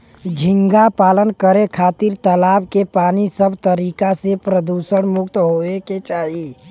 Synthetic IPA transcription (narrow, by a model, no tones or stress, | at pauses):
d͡ʒʱɪŋɡapaːlənkəɾekʰaːt̪iɾt̪əlaːb̚kepaːnisəbʱt̪əɾikasepɾəd̪usəɽmʊkt̪ɦoeket͡ʃaːɦi